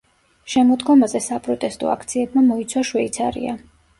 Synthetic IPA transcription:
ʃɛmɔd̪ɡɔmazɛsapʼɾɔt̪ʼɛst̪ʼɔ̰a̰kʰt̪sʰiɛbmamɔit̪sʰwaʃwɛit̪sʰa̰ɾḭa̰

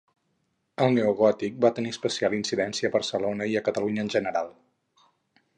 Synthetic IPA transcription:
əlˠneuɣɔt̪ik̚bat̪əniəspəsialinsiðɛnsiəːβərsəlonəiəkət̪əluɲəːnʲʒənəɾalˠ

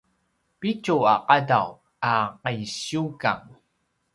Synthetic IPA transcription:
picuaqadaw | aqajɕuka̰ŋ

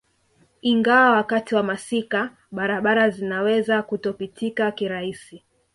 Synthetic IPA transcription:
iŋɡawawakatiwamasika | ɓaɾaɓaɾazinawɛzakutɔpitikakiɾaisi

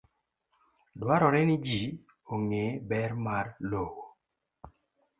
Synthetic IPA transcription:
dwaɾɔɾɛnɪd͡ʒi | oŋebɛɾmarlowo

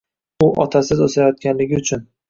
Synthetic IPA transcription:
ʊʔɒt̪ʰasɪzosajɒt̪̚kʲanlɪɡʲɪʊt͡ʃʰʊn

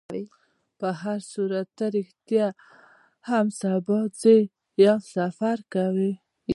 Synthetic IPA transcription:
i | pəɦaɾsuɾat̪aɾɪxt̪ja | hamsabɑd͡ze | jasafaɾkawi

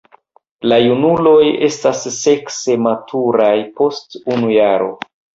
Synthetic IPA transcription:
lajunulo̞je̞stasːe̞kse̞matʰuɾajpo̞stunujaɾo̞̰

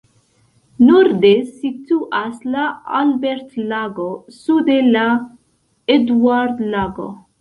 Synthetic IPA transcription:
nuɾd̪esit̪uʔaslaalbeɾt̪laɡosud̪ela | ed̪waɾd̪laɡo̰

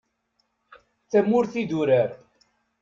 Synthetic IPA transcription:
θæmːʊɾθid̪uɾəɾ

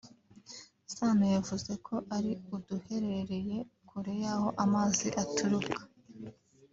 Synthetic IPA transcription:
saːnajavuze̞kʰo̞ʔaɾiuduhe̞ɾe̞ɾe̞je̞kʰuɾejaho̞ʔamaːziʔatʰuɾukʰḁ

